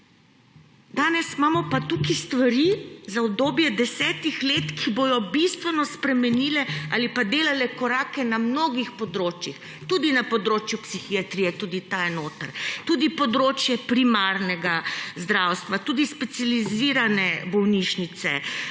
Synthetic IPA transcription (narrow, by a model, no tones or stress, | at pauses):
d̪aːnɛsmaːmɔpat̪ukist̪ʋaɾizaɔb̚d̪oːbjɛd̪ɛsɛːt̪ixleːt̪kʰibojɔbist̪ʋɛnɔspɾɛmɛniːlɛa̰lipad̪eːlalɛkɔɾaːkɛnamnoɡixpɔd̪ɾoːt͡ʃjix | t̪uːd̪inapɔd̪ɾoːt͡ʃjupsixiat̪ɾijɛt̪uːd̪it̪ajɛnoːt̪əɾt̪uːd̪ipɔd̪ɾoːt͡ʃjɛpɾimaɾnɛɡazd̪ɾawst̪ʋat̪uːd̪ispɛt̪sijaliziɾanɛbɔwniʃnit̪sɛ̰